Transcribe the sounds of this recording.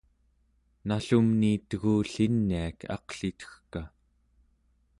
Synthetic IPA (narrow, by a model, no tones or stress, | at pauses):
naɬumniːt̪əɣuːɬinːiakʰɑ̰qɬit̪ə̥xka